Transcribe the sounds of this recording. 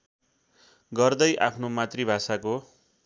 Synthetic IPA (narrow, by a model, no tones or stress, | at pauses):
ɡʌrd̪ʌjʔapʰnomat̪ribʱasako